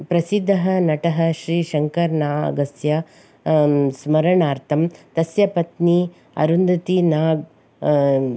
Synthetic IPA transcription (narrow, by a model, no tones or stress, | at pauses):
pɾɐsid̪ʱːɐɦɐnɐʈɐɦɐʃɾiːʃɐŋkɐɾnaːɐ̰ɡɐsjɐ | smɐɾɐɳaːɾt̪ʰɐmt̪ɐsjɐpɐt̪ni | ɐ̰ɾund̪ɐt̪inaːɡ̚